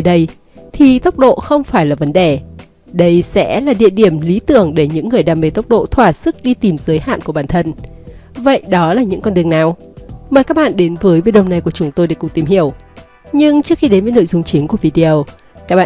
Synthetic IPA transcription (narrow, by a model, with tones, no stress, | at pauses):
ɗə˧j | t̪ʰi˨˩t̪ə˦˥wk͡p̚ɗo̰˧˨xə˧wŋ͡mfaː˧˩jlaː˨˩və˨˦nɗe˧˨˩ | ɗə˧jsɛ̰˧˥laː˨˩ɗḭ˧˨əɗi˧˩əmli˨˦t̪ɨ˧˩əŋɗe˧˩ɲɨ̰˧˥ŋːɨ˨˩əjɗaː˨˩me˨˧˩t̪ə˦˥wk͡p̚ɗo̰˧˨t̪ʰwaː˧˩sɨ˦˥k̚ɗi˧t̪i˨˩mzəː˨˦jha̰ː˧˨nku˧˩əɓaː˧˩nt̪ʰə˧n | və̰˧˨jɗɔ˨˦laː˨˩ɲɨ̰˧˥ŋkɔ˧nɗɨ˨˩əŋnaː˨˩w | məː˨˩kaː˦˥k̚ɓa̰ː˧˨nɗe˨˦nvəː˨˦jvi˧˦ɗə̰˧˨wŋ͡mna˨˩jku˧˩ət͡ɕʊ˨˦ŋ͡mt̪o˧jɗḛ˧˩kʊ˨˩ŋ͡m̚t̪i˨˧˩mhi˧˩əw | ɲɨ˧ŋt͡ɕɨ˦˥ək̚xi˧ɗe˨˦nvəː˨˦jno̰˧˨jzʊ˧ŋ͡mt͡ɕi˨˦ŋku˧˩əvi˧ɗi˧ə˧w | kaː˦˥k̚ɓa̰˧˨˧